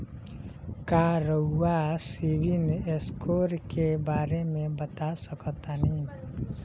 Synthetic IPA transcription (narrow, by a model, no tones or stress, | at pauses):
kaːɾəuːasiːbɪneskoːɾkebaːɾemẽbət̪asəkt̪anĩ